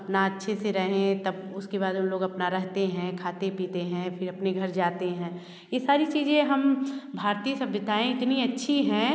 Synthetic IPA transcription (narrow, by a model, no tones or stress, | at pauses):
ɐpnaɐtːʃʰeseɾɛɦẽt̪ɐbʊskebaːd̪ɦɐmloːɡɐpnaɾɛɦt̪eɦɛ̃kʰaːt̪epiːt̪eɦɛ̃pʰɪɾɐpneɡʱɐɾd͡ʒaːt̪eɦɛ̃ː | jesaːɾit͡ʃiːzẽɦɐmbʱaːɾt̪isɐbːət̪aːẽɪt̪niɐtːʃʰiɦɛ̃ː